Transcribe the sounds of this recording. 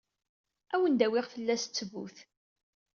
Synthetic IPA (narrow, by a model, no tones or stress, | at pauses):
æwənd̪æwɪʁθəlːæst͡sːəvṵθ